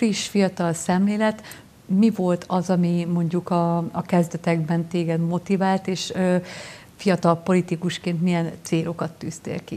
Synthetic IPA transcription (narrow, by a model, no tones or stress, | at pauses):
friʃfijɒt̪ɒlsɛmleːlɛt̪ | mivo̞lt̪ʰɒzɒmimo̞ɲɟukɒɒkɛzd̪ɛt̪ɛɡbɛnt̪eːɡɛd̪mo̞t̪ivaːlt̪eːʃø | fijɒt̪ɒlpo̞lit̪ikuʃkeːnt̪mijɛnt̪seːɾo̞kɒt̪ːyːst̪ḛːlkḭ